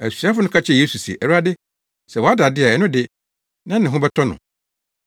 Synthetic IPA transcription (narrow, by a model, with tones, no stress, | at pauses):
æ˨si˨a˦fʊ˦nʊ̃˦kʰa˦t͡ɕʰɛ˦˨je˦su˨si˨ḛ˨ʔæ˨˦a˦dɪ˦ | sɛ˨wɔ˨a˦da˨dɪ˦a˨ɛ˨nʊ̃˦dɪ˦ | nã˦nɪ̃˨ɦʊ̃˦bɛ˦tʰɔ˦nʊ̰̃˨